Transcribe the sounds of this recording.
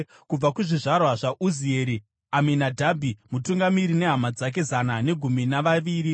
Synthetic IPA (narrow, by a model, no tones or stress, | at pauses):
kub͡vakuʐiʐarwaʐaʔuzieːɾi | amenadʱabʱimutuŋɡamiɾine̞ɦamad͡zak̬e̞zanane̞ɡʱuminaʋaʋiːɾi